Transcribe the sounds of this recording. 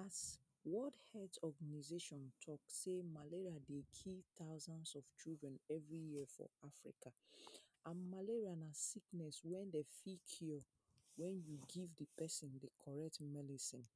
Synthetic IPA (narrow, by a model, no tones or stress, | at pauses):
as | wɔdhɛtɔɡanizeʃɔ̃ntʰɔksemaleɹiadekʰitaʊzãnsɔv̥t͡ʃildɹɛ̃nɛvɹijifɔ̰afɹḭkaʔãnmaleɹianasiknɛswɛ̃ndefikʰɔ | wɛ̃njuɡivdəpɛsĩndəkʰɔɹɛk̚tmɛdisĩn